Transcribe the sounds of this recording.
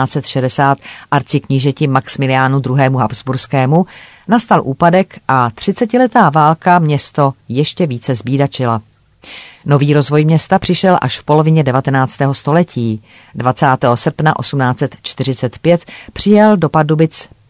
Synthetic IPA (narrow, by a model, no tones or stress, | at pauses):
aːt͡sɛt̪ʃɛdɛsaːt̪ʔaɾt͡sɪkɲɪʒɛcɪmaksmɪlɪjaːnud̪ɾuɦɛːmuɦapzbuɾskɛːmu | nast̪alʔuːpadɛkʔat̪r̥ɪt͡sɛcɪlɛt̪aːvaːlkamɲɛst̪o̞jɛʃcɛviːt͡sɛzbiːdat͡ʃɪla | no̞viːɾo̞zvo̞jmɲɛst̪apr̥ɪʃɛlʔa̰ʃfpo̞lo̞vɪɲɛdɛvat̪ɛnaːt͡st̪ɛːɦost̪o̞lɛcʰiː | dvat͡saːt̪ɛːɦo̞sr̩pnaʔo̞sumnaːt͡sɛt̪t͡ʃt̪ɪr̝ɪt͡sɛt̪pjɛt̪pr̝̥ɪjɛldo̞padubɪt͡s